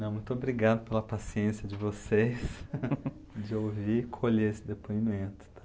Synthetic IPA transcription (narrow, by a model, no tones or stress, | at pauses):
nɐ̃w̃mũj̃t̪ʊobɾiɡad̪ʊpelɐpasiẽsijɐd͡ʒɪvosejs | d͡ʒɪowvikʰoʎeesɪd̪epoimẽnt̪ʊ̥t̪ʰḁ